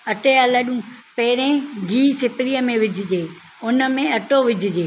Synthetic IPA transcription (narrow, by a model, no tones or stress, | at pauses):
ɐʈealɐɗũpɛːɪɾẽɡʱiːsɪpɾijəmẽʋɪd͡ʑʱɪd͡ʑeː | ʊnə̆mẽɐʈoʋɪd͡ʑʱɪd͡ʑeː